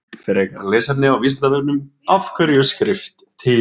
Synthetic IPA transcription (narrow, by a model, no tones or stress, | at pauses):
fɪɾekaɾleːsat̪nɪawvist̪avɛknʏmafkʰœɾjʏskɾɪft̪ʰɪ